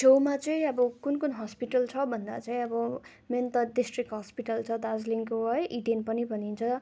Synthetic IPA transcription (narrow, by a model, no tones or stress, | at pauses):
sʰowmat͡sʌĩʌbʌkunkunɦʌspiʈʌlt͡sʰʌbʱʌnd̪a̰t͡saĩʌbʌ | ment̪ʌɖisʈrikɦʌspiʈʌlt͡sʰʌd̪azliŋkoɦʌjʔiɖenpʌnibʱʌnint͡sʰʌ